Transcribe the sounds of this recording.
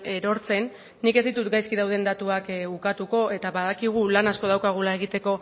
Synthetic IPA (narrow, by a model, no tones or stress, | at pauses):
eɾo̞ɾt͡se̞nː | ike̞zd̪it̪ut̪ɡajskið̞awðe̞nd̪at̪uakukat̪uko̞ʔe̞t̪aβaðakiɣ̞ulanasko̞ð̞awkaɣ̞ulae̞ɣ̞it̪e̞ko̞